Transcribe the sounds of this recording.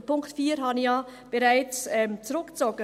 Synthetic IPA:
pʊŋktfiːɾɦɑnijɑːb̥eɾaɪt͡sɛmt͡sɾʊkt͡sɔɡə

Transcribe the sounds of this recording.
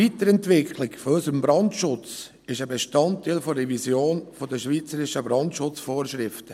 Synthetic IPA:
iːt̪əɾɛntʋɪkʰlɪkfɔɔsəmbɾɑndʃʊt͡s | ɪʃəbeʃtɑntːiɪlfɔrɛvisjoːnfodəʃʋiːt͡səɾɪʃəbɾɑntʃʊt͡sfoːɾʃɾɪftə

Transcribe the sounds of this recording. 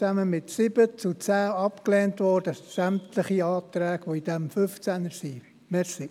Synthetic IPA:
æməmɪtsɪb̥ət͡sut͡sæːɑpklɛːntʋɔɾd̥əsæmtləχiɑːt̪ɾæːɡ̥ʋoid̥ɛmføft͡sænəsi | mɛsi

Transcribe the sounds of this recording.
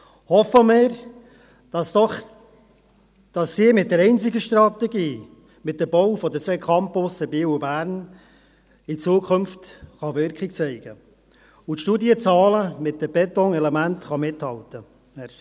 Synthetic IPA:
hɔfəmɪɾ̥ | ɑsɔχ | d̥ɑsːiːmɪt̚dɛɾɛɪnt͡sɪɡəʃt̪ɾɑt̪ɛɡiː | mɪt̚dəbɔwfɔd̪ət͡sʋɛkʰɑmpʊsəbiːwubæːɾn | ɪt͡suːkʰχʊmftχɑʋʏɾkχɪk̚t͡sɛɪɡ̥ə | utʃtuːdiət͡sɑːləmɪt̚d̥əb̥ɛtɔŋɛlɛmæntχɑmɪthɑltə | hɛ

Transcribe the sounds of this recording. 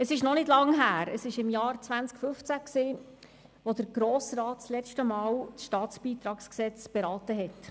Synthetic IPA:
əsɪʃnɔnɪdlɑŋɦæːɾəsɪʃɪmjɑːɾt͡sʋænskfɵft͡sæksiː | ʋɔd̪əɾɡ̥ɾoːsɾɑːt̚t͡slɛt͡ʃtəmɑːwsʃtɑːtt͡sb̥iːt̪ɾɑːksksɛt͡sb̥ɛɾɑːtəɦɛt

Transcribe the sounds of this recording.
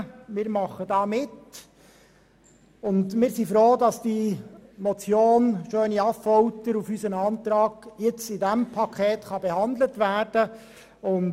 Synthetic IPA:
mɪːɾmɑχədɑːmɪt | ʊndmɪːɾsifɾoːdɑsd̥imɔt͡sjoːnʃøːniɑffɔwtəɾufysənɑːnt̪ɾɑːɡ̥jɪt͡sɪdæmpʰɑkʰɛːt̪χɑbɛhɑnd̪lətʋæːrd̥ə | ʊn

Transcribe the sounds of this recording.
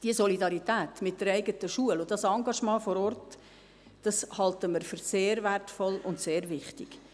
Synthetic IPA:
d̥iəsɔlidɑɾitæːt̪mɪt̚d̥əɾɛɪɡətəʃuəlʊdɑsɑŋɡɑʃmɑ̃ːfɔɾɔrt | d̥ɑshɑltəməɾfʏɾseːɾværtfɔlʊntseːɾʋɪχtɪɡ̥

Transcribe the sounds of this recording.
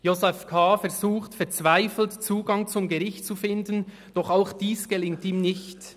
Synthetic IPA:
josɛfkʰaːfɛʁzuːxtfɛɐt͡svaɪfl̩tt͡suːɡɑŋt͡sʊmɡɛʁɪçtt͡sufɪndən | d̥ɔχaʊxd̥iːsɡ̥ɛlɪŋtiːmnɪçt

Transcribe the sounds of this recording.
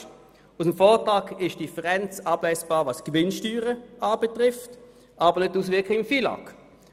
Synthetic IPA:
usəmfɔːʁtʁɑːkɪʃd̥ifəʁɛnt͡sɑːblɛɪsb̥ɑːʁʋɑskvɪnʃtyːʁəaːbɛtʁɪft | ʔɑːb̥əʁnʏt̚ːuːs̬vɪɐkʰɪɪmfiːlɑ̰k

